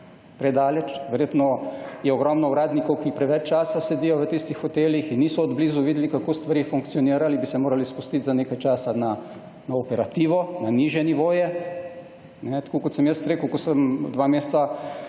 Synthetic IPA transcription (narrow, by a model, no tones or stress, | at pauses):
pɾɛd̪aːlɛt͡ʃʋɛɾjeːt̪nɔjɛɔɡɾɔmnɔuɾaːd̪nikɔwkipɾɛʋɛt͡ʃt͡ʃaːsased̪ijɔʋət̪ist̪ixxɔt̪eːljixinːiːsɔːd̪bliːzuʋiːd̪ɛlikakoːst̪ʋaɾiːfuŋkt̪sijɔniːɾalibisɛmoːɾalispust̪it̪zaneːkajt͡ʃaːsana | naɔpɛɾat̪iːʋɔnaniʒjɛniʋoːjɛ | nɛt̪ḁkoːkɔt̪sɛmjəst̪ɾeːkəʊkɔsəmd̪ʋameːst̪sa